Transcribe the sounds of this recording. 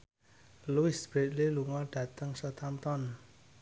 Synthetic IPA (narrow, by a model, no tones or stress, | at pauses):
luɪsb̥ɾet̪̚liluŋɔɖ̥ä̤t̪əŋsət̪amt̪ɔn